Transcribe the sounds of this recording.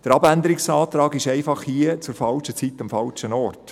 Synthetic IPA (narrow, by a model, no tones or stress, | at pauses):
d̥əɾɑbænd̪əɾɪksɑːt̪ɾɑːɡɪʃɛɪfɑχhiət͡sʊɾfɑlʃət͡sit̪ɑmfɑlt͡ʃənɔrt